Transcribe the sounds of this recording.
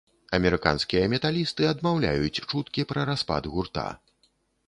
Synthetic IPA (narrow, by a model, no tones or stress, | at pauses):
ɐmʲɛɾɨka̰nskʲijɐmʲɛt̪alʲist̪ɨɐd̪mawlʲa̰jut͡sʲt͡ʂut̪kʲipɾɐɾaspa̰d̪ɣurt̪a̰